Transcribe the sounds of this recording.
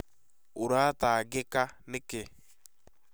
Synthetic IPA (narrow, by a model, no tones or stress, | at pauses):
oɾataːɡekanekɪ